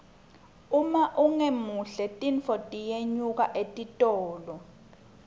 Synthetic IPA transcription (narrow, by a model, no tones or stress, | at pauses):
umaʔuŋemuɬɛtʼinfɔtʼijeɲuk̬aʔetʼitʼɔːlɔ